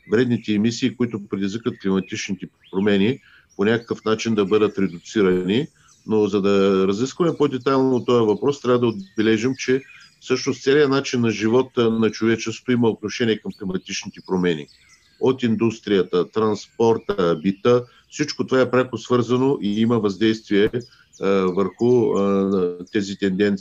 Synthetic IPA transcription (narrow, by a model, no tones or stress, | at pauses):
vɾɛd̪nit̪ɛːmisiːkoit̪ʊpɾɛd̪izvikvɐt̪klimɐt̪it͡ʃnit̪ɛ | pɾomɛni | ponʲakə̥kəfnat͡ʃind̪ɐbɤd̪ət̪ɾɛd̪ʊt̪siɾɐni | nozɐd̪ɐɾɐziskvɐmɛpod̪ɛt̪ajlˠnoːt̪ɔjɐvɐpɾɔst̪ɾʲavəd̪ɐod̪bɛlɛʒimt͡ʃɛfsɤʃnost̪sɛlijənat͡ʃinːɐʒivɔt̪ənɐt͡ʃovɛt͡ʃɛso̥t̪oiməot̪̚noʃɛniɛkɐmxlimɐt̪it͡ʃnit̪ɛpɾomɛnḭ | ot̪ind̪ust̪ɾijət̪ət̪ɾɐnspɔɾt̪əbit̪ə | fsit͡ʃkot̪ovaɛpɾʲakosvɤɾzɐnoʔiiməvɐzd̪ɛjst̪viɛ | vəɾxʊ | t̪ɛzit̪ɛnd̪ɛnt̪s